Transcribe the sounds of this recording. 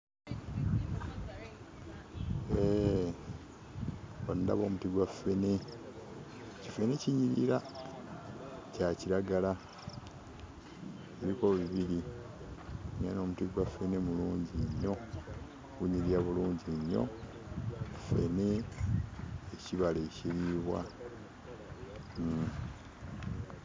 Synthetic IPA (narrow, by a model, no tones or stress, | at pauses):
e | onda̰βo̞ːmutiɡwafe̞ne | cife̞ne̞ciɲiɾḭɾa | caciɾaɡala | eɾiko̞βiβiɾi | nano̞ːmutiɡwafe̞ne̞muluːɲɟiɲːo̞ | ɡuɲiɾiaβuluːɲɟiɲːo̞̰ | i̥fḛne̞ | eciβaleciɾiːβwa̰